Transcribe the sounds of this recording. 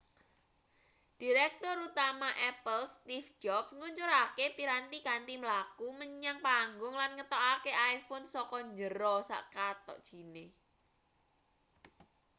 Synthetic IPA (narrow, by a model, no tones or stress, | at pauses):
d̥iɾɛk̚t̪ʊɾut̪amaʔɛpəlst̪ifd͡ʒɔpŋuɲt͡ʃuɾakepiɾant̪ikant̪iməlakuməɲaŋpaŋɡʊŋlanŋət̪ɔʔakeʔajfʊnsɔkɔɲd͡ʒəɾɔsa̰ʔkat̪ɔ̰ʔd̥ʒ̥i̤ne